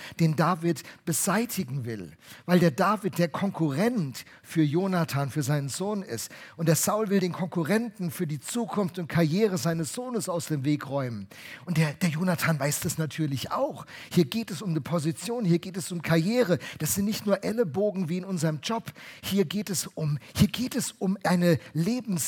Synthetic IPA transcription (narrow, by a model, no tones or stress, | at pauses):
d̥eːndaːvɪtb̥əzaɪtʰɪɡŋ̩vɪ̰lvaɪldeːɐdaːfɪt̚d̥eːɐkʰɔŋkʰuʁɛnt | fyːɐjoːnatʰaːnfyːɐzaɪnənzoːnɪ̰stʔʊntd̥eːɐz̥aʊlvɪldeːnkʰɔŋkuʁɛntn̩fyːɐdiːt͡suːkʰʊnftʊnt̚kʰaɐjeːʁəzaɪnəsz̥oːnəsaʊsd̥eːmveːkʁɔʏmən | ʔʊnt̚d̥eːɐd̥eːɐjoːnatʰaːnvaɪsd̥asnatʰyːɐlɪça̰ʊxhiːɐɡeːtɛsʊmdipʰozit͡sjoːnhiːɐɡeːtɛsʊmkʰaɐjeːʁəd̥asz̥ɪntnɪçtnuːɐʔɛləboːɡŋ̩viːɪnʊnzəʁəmd͡ʒɔphiːɐɡeːtɛsʊmhiːɐɡeːtɛsʊmʔaɪnəleːbm̩s